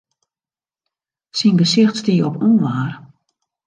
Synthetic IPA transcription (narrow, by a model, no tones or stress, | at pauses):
sinbəsɪxtstiəɔpuːnʋaːr